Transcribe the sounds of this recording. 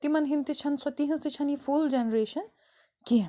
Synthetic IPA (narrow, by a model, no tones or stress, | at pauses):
t̪imɐnɦint̪it͡ʃʰɐnsɐt̪iɦĩnzt̪it͡ʃʰɐnifʰuld͡ʒenɾeːʃɐn | ki